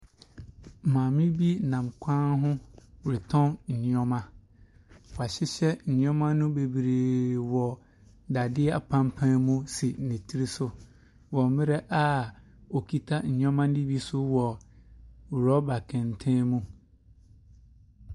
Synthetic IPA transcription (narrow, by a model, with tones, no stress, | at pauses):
mãː˨mɪ̃˦bi˦˨nã˨mkʷʰã˦nɦʊ̃˦˨ɾɪ˨tʰɔ̃˦nn̩˨ɲ̃˦ɔ̃˦mã˦ | wɔ˨a˨ɕɪ˦ɕɛ˦n̩˨ɲ̃˦ɔ̃˦mã˦nʊ̃˦be˨bɾeː˨wɔ˨ | da˨dɪ˦ɛ˦a̰˨pʰã˦mpʰã˦mũ˦si˨nĩ˨tʰi˦ɾi˦sʊ˦ | wɔ˨˦mɪ̃˦ɾɛ˦ʔa˦ | o˨kʰi˦tʰa˦n̩˨ɲ̃˦ɔ̃˦mã˦n˦di˦bi˦sʊ˦wɔ˨ | ɾɔ˦ba˨kʰɛ̃˨n˨tʰɛ̃˦mũ˦